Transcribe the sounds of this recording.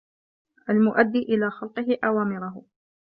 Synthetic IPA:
ʔalmʊʔad̪ːiːʔɪlaːxɑlqɨɦɪʔawaːmɪɾʊɦʊ

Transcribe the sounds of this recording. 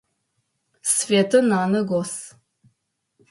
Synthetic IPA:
sfeːtʰɨnaːnɨɡos

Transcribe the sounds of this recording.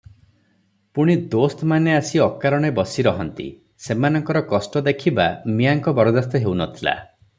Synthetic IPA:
puɽ̃id̪ost̪ɔmaneasiɔkaɾɔɽ̃ebɔsiɾɔɦɔnt̪ḭ | semanɔŋkɔɾɔkɔsʈɔd̪ekʰiba̰miaŋkɔbɔɾɔd̪ast̪ɔɦewnɔt̪ʰila̰

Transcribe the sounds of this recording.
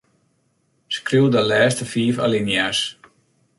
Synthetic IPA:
skriwdəlɛːstəfiːfa̰linjas

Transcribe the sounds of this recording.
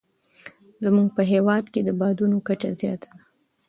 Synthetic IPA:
zəmuɡ̚pəɦewɑd̪ked̪əbɑd̪unokat͡ʃazjɑt̪ḁd̪a

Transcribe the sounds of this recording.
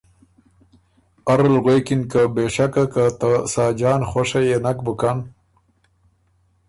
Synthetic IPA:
aɾlɣwekɪnkabeʂakakat̪asaːd͡ʒɑːnxoʂajenak̚bʊkan

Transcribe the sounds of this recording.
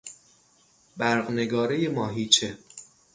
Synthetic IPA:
bæɾɢneɡɒːɾejemɒːɦiːt͡ʃʰe

